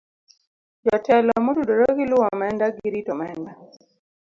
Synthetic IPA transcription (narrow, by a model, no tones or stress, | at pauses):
d͡ʒɔtɛlɔmɔtudɔɾɔkiluwɔmɛndaɡiɾitɔmɛnda